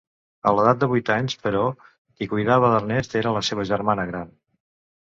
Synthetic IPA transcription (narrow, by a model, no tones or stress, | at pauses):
ə̰ləðat̪̚d̪əβujt̪aɲspəɾɔ | kikujðaβəðərnɛst̪eɾələseβ̞əʒəɾmanəɣɾan